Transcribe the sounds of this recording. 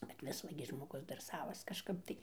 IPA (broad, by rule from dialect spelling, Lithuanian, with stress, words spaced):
bʲɛt ˈʋʲɪs ˈʋɐ ɡʲɪ ʒmoːˈɡʊs dɐr ˈsɑːʋɐs kɐʃˈkɐp ˈtɐɪ